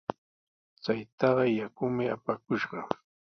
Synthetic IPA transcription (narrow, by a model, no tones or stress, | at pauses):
t͡sajt̪ɑɢɑjakʊmɪapakʊʃɢɑ